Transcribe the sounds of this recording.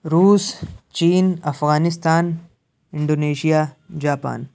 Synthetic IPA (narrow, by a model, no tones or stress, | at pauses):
ɾuːst͡ʃiːnɐfɣaːnɪs̬t̪aːn | ɪ̃ɳɖoːneːʃija | d͡ʒaːpa̰ːn